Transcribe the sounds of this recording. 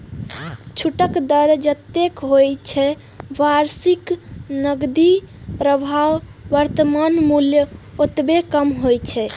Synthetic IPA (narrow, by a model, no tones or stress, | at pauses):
t͡ʃʰuʈəkd̪əɾd͡ʒət̪ːekɦojt͡ʃʰɛ | baɾsiknəɡd̪i | pɾəbʱawːəɾt̪əmanmuljəot̪bekəmɦojt͡ʃʰɛ